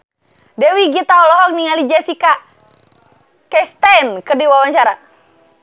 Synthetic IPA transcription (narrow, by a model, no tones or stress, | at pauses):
dɛwiɡit̪aɔlɔɦɔk̚niŋalid͡ʒɛsika | kɛst̪ankərdiwawaɲt͡ʃaɾa